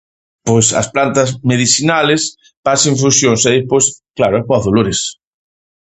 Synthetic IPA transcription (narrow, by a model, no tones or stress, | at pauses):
pojsɐ̰splant̪ɐsmeðiθinales | pasẽɱfusjõŋsɛepojsklaɾʊɛpoaðoloɾes